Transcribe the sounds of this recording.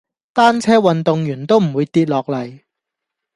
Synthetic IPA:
t̪aː˥nt͡sʰɛː˥wɐ˨nt̪ʊ˨ŋjyː˨˩nt̪o˥wm̩˨˩wuː˨˧jt̪iː˧t̚lɔː˨k̚lɐ˨˩j

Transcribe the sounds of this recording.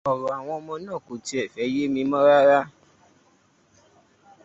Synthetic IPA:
ɔ˨ɾɔ˨a˨w̃ɔ̃˧mɔ̃˧nãː˦˨ko˨ti˧˦ɛ˦˨fɛ˨˦je˦mĩ˧mɔ̃˦ɾa˦ɾa˦

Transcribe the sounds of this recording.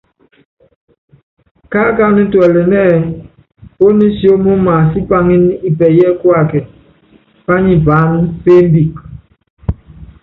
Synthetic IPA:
ka˦ka˦ni˦twɛ˨lɛ˨mɛː˦˨ | po˦ni˦si˦o˦mu˦ma˨si˦pa˦ŋi˦n˦i˦˨bɛ˨jɛ˦kwa˦˨kɛ˨ | pa˦ɲi˨ba˨˦m˦fe˦m˦bi˨k

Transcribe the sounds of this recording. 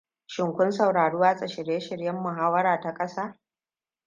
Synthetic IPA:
ʃɪ˨ŋkʷʊ˦nsɐ˨wɽaː˨ɽuː˦waː˦sʼɐ˨ʃɪ˨ɾjeː˦ʃɪ˨ɽjɐ˦mːʊ˨ɦaː˦wɐ˦ɾaː˨ta˨kʼɐ˦saː˦

